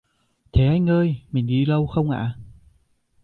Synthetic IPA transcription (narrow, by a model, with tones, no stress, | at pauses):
t̪ʰe˨˩ʔaː˧jŋəː˧jmï˨˩ŋ̟ɗi˧lə˧wxə˧wŋ͡mʔa̰ː˧˨